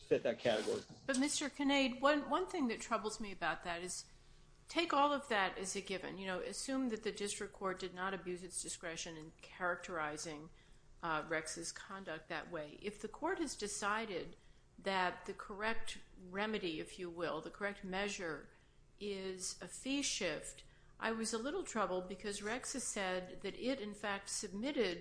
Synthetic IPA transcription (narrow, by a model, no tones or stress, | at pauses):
sɛt̪̚ðɨt̚kʰæɾɨɡɔ̰ɹib̥ʌt̚mɪstə˞kʰɨneɪd̚wʌ̃nwʌ̃nθɪ̃ŋðɨtʰɹ̥ʌbl̩ˠzmiɨbaʊt̪̚ðɨɾɨz̥ | tʰeɪkɔlˠʌvðɨɾɨzɨt̚ɡ̥ɪvɨ̰̃njɨnoʊʔɨsʉ̃mðɨt̪̚ðɨdɪstɹ̥ɨkʰɔɹt̚d̥ɨdⁿnəɾɨbjʉzɨtsd̥ɨskɹɛʃɨ̃nɨ̃nkʰɛɹɨk̚tʰə˞aɪzɪ̃ŋ | ɹɛksɨz̥kʰɑ̃ndɨk̚t̪̚ðɨ̰ʔ̚weɪʔɪfðɨkʰɔɹt̚hɨzdɨsaɪɾɪd̪̚ | ðɨt̪̚ðɨkʰə˞ɛk̚t̚ɹɛmɨɾiɪfjɨwɪlˠðəkʰə˞ɛk̚t̚mɛʒə˞ | ʔɪzɨfiʃɪft | ʔa̰ɪwʌzəlɪɾl̩ˠtʰɹ̥ʌbl̩ˠd̚bɨkʰʌzɹɛksɨsɛd̪̚ðɨɾɪɾɨ̃nfæk̚tsɨb̚mɪɾɪd̥̚